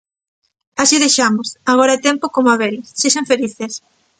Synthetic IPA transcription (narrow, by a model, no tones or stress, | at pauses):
asiðejʃamosaɣ̞oɾaet̪empokomoaβeɾisʃeseɱfeliθes